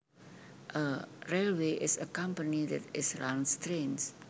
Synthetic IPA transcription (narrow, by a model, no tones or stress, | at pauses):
ʔəɹelweʔɪsəkãmpənidɛtɪsɹãnstɾẽns